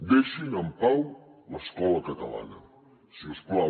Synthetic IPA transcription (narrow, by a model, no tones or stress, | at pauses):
d̪eʃinampawlɐskɔlakat̪ɐla̰nɐ | siskla